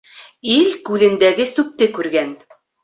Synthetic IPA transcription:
ilkʉðɘ̆nd̪æɡɘsʉp̚t̪ɘkʉɾɡæn

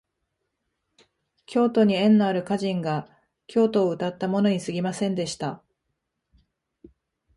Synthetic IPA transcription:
kʲo̞ːt̪o̞ɲ̟iẽ̞nːoaɾɯ̟kaʑĩŋɡa | kʲo̞ːt̪o̞ːɯ̟t̪at̪ːamo̞no̞ɲ̟isɨɡʲimasẽ̞nd̪e̞ɕi̥t̪a

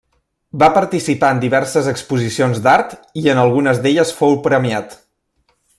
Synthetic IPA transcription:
bapəɾt̪isipaənd̪iβɛɾsəzəkspuzisionzd̪aɾt̪iənəlˠɣunəzd̪eʎəsfowpɾəmiat̪

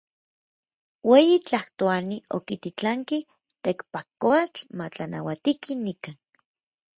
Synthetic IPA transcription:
weːjit͡ɬaht̪oanio̰kit̪it͡ɬaŋki | t̪ekpakoat͡ɬmat͡ɬana̰wat̪ikinikan

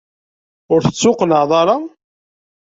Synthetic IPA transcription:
ʊɾθət͡sːʊqələʕðˤɑɾˤɑ

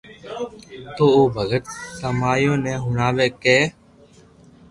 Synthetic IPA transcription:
t̪oːoːbʱəɡət̪̚kəmaːjõːnɛ̃ːɦʊɳaːʋeːkeː

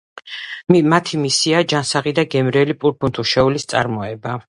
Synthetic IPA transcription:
mmat̪ʰimisiad͡ʒansaʁid̪aɡɛmɾɛlipʼuɾpʰunt̪ʰuʃɛulist̪sʼa̰ɾmɔɛba

